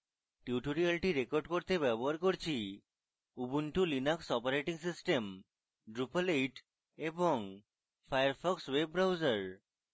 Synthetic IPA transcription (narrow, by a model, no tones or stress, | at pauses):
ʈiuʈoɾialʈiɾekoɾɖkoɾt̪ebɛboɦaɾkoɾt͡ɕʰi | ubunʈulinaksɔpaɾeʈiŋsisʈem | ɖɾupalejʈ | eboŋ | fʰajaɾfɔkswebːɾawd͡ʑaɾ